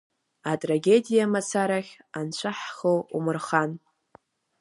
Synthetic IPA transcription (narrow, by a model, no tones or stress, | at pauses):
atʼraɡʲedijamat͡sʰaɾaχʲ | ant͡ɕʷʰaħχowumɨrχan